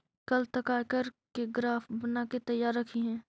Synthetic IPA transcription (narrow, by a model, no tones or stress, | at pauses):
kɐlt̪ɐkaːkəɾkeɡɾaːfbənaket̪ɐjaːɾːɐkʰiɦɛ̃ː